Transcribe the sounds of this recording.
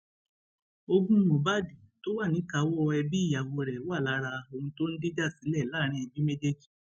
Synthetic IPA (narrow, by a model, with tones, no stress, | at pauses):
o˧ɡũ˦mõ˨ba˦˨di˨to˦wa˦˨nĩ˨˦ka˨˦wɔ˦˧ɛ˧bi˦i˦˨ja˨wo˧ɾɛ˨˦wa˦˨la˨˦ɾa˧o˧hũ˧to˦n̩˦di˦d͡ʒa˦˨si˨˦lɛ˦˨laː˦ɾ̃ĩ˧˦ɛ˧bi˦me˦d͡ʒe˦d͡ʒi̥˦˨